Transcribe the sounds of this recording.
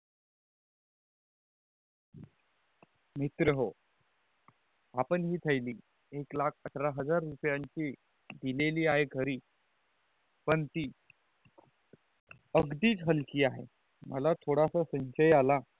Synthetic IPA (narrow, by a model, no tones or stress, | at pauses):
mit̪ɾəɦo | apəɳɦiːt̪ʰəjliː | eklakʰəʈʰɾaɦəd͡zaɾːupjaɲt͡ɕiː | d̪ileliːaɦeɡʱəɾiː | pəɳt̪iː | əɡd̪iːt͡sɦəlkiːaɦḛ | məlat̪ʰoɽasasə̃nɕəjala